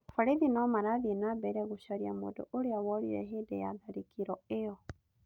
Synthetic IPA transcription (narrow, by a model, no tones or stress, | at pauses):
faɾeðinɔmaɾaðienabɛɾɛɣoʃaɾiamo̰ːdo̰oɾeawɔɾḭɾɛ̰ɦeːdɛja̰ðaɾikʰiɾɔejɔ